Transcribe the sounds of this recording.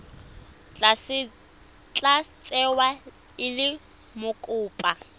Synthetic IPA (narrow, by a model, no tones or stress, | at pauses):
t͡ɬasɪ | t͡ɬʼat͡sʼɛwa | ɪlɪ | mʊkʼʊːpʼa